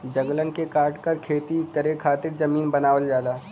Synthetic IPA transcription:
d͡ʒɐŋɡlənkekaːʈkɐɾkʰeːt̪ikɐɾekʰaːt̪ɪɾd͡ʒɐmiːnbɐnaːʋəld͡ʒaːd̪aː

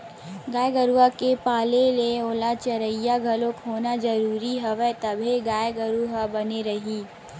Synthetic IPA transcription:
ɡaːjɡəɾuakepaːleleoːlat͡ʃɐɾəjːaɡʱɐlokɦoːnad͡ʒɐɾuːɾiɦɐʋɛt̪ɐbʱeɡaːjɡɐɾuɦabɐneɾɐɦiː

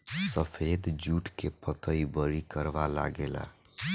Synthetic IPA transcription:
səpʰed̪d͡ʒuʈkepət̪əibəɾikəɾbala̰ɡela̰

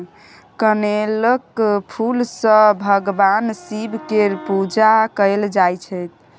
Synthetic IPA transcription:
kəneləkpʰulsə̃bʱəɡbansibʱkeɾpud͡ʒakəɪld͡ʒajt͡ʃʰəjt̪̚ʰ

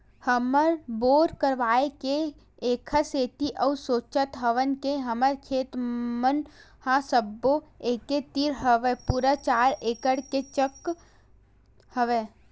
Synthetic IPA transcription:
həməɾboːɾkəɾʋaːeke | eːkʰəseːt̪iʔəusoːt͡ʃət̪ɦəʋənkeɦəməɾkʰeːt̪mən | hãsəbːoeːket̪iɾɦəʋepuːɾat͡ʃaːɾeːkəɽket͡ʃək | həʋe

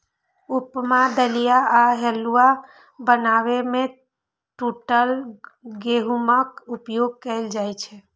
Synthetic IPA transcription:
upmad̪əlijaːɦelua | bənaβeme | ʈuʈəlɡeɦuməkupjoɡ̚kəɪld͡ʒajt͡ʃʰɛ

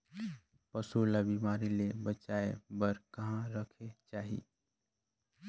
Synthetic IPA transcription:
pəsulabimaːɾilebət͡ʃaːebəɾkɐɦãɾəkʰet͡ʃaːɦḭ

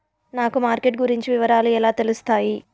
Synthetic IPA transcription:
naːkumaːɾkeʈɡuɾiɲt͡ʃiʋiʋɐɾaːluɛlaːt̪e̞lust̪aːji

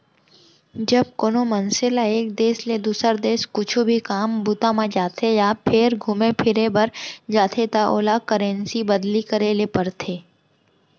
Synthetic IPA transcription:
d͡ʒɐb̚koːnomənselaeːk̚d̪eːsled̪uːsəɾd̪eːskʊt͡ʃʰubʱikaːmbʊt̪amãd͡ʒaːt̪ʰejaːpʰɪɾɡʱʊmepʰɪɾebəɾd͡ʒaːt̪ʰet̪aʔo̰ːlakəɾẽːnsibəd̪likəɾelepəɾt̪ʰeː

